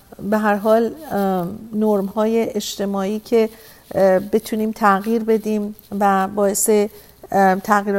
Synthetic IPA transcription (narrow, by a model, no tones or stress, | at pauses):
beɦæɾɦɒːl | noɾmhɒːje̞ʔeʃt̪ʰe̞mɒːiːcʰe̞ | be̞t̪ʰuniːmt̪ʰæɣiːɾbe̞d̪iːmvæbɒːe̞se̞ | t̪ʰæɣiːɾ